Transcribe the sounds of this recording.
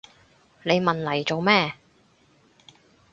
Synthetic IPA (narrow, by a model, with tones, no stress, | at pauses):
ne˨˧jmɐ˨nlɐ˨˩jt͡so˨wmɛː˥